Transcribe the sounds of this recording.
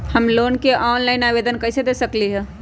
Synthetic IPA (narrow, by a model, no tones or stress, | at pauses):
həmloːnkeʔɔːnlaːɪnabeːd̪ənkəɪsed̪esəkliɦɛ̃